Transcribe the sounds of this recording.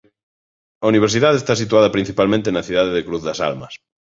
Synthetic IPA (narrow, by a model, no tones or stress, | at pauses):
ɐuniβ̞eɾs̬iðaðest̪as̬it̪uaðɐpɾin̟θipalmẽnt̪enɐθiðaðeðekɾuθðɐsa̰lmɐs